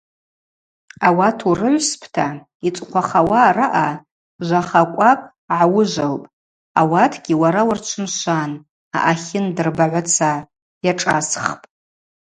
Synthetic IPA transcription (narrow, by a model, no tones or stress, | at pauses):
awatʰurɨʕʷspʰtʰa | it͡sʷʼqʷaχawaraʔa | ʒʷaχakʷʼakʼ | ʕawʊʒʷalpʼ | awatʰɡʲiwaɾawart͡ʃʷʰʊnʃʷan | a̰ʔaχʲɪndɨrbaʕʷat͡sʰa | jaʈ͡ʂʼasχpʼ